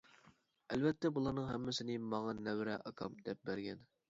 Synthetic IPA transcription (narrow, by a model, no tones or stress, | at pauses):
ælvɛt̪ʰːɛbulˠɑɾnɨŋɦɛ̰mːɪsɪnɪmɑŋɑnɛwɾɛʔɑkʰɑmd̪ɛp̚bæɾɡʲɛn